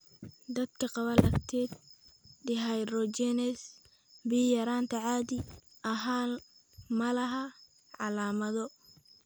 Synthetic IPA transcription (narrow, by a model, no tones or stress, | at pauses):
d̪ɐd̪kʰɐqɑβɐlɐɡt̪ʰɛːd̪ɖɪɦajrɔt͡ʃɛnɛs | bijɐɾaːnt̪ʰɐʕɑːðiɐɦaː | mɐlɐɦɐ | ʕɑlaːmɐðɔ